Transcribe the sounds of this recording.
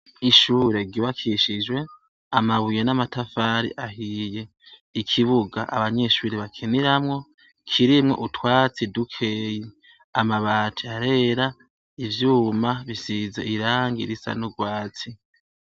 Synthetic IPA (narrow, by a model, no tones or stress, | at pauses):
iʃuːɾe̞ɡiβakʰiʃid͡ʒwe̞ | amaβujenamatafaːɾḭʔaɦiːje̞ | ikʰiβuɡa̰ʔa̰βaɲe̞ʃuɾiβakʰiniɾamŋo̞ | kʰiɾimŋo̞̰ʔutwaːt͡sidukʰeːji | amaβaːtʰiaɾe̞ːɾa | ivjuːmaβisizḛiɾaːŋɡḭɾisa̰nuɡwaːt͡si